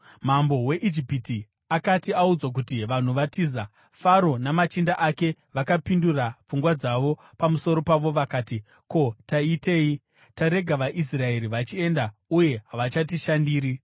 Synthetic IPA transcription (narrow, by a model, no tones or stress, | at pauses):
m̤ambo̞we̞ʔid͡ʒipiti | akatiaud͡zwak̬utiʋan̤uʋatiza | faɾo̞namat͡ʃindaʔake̞ʋakapindurap͡fuŋɡwad͡zaʋo̞ | pamuso̞ɾo̞paʋo̞ʋakaːti | ko̞taite̞ːi | taɾe̞ɡʱaʋaʔis̬rae̞ɾiʋat͡ʃie̞ndauje̞ɦaʋat͡ʃatiʃandiːɾi